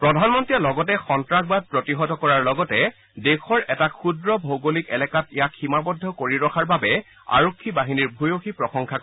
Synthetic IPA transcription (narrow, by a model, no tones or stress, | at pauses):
pɹɔdʱanmɔntɹiɛlɔɡɔtɛxɔntɹakbad̚pɹɔtiɦɔtɔkɔɹaɹlɔɡɔtɛ | dekʰɔɹʔɛtakʰudɹɔbʱoɡolikɛlɛkatejakximapɔdʱːɔkoɹiɹɔkʰaɹbabɛ | a̰ɹokʰːibaɦiniɹbʱujoxipɹɔxɔŋkʰak